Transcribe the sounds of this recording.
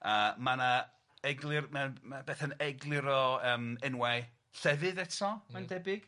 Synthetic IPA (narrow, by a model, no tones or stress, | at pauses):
əmana | ɛɡlˠɨrmamabeːθənɛɡlˠɪɾɔəːmɛnwɛ | ɬɛvɨðɛtʰɔmandɛbɪɡ̥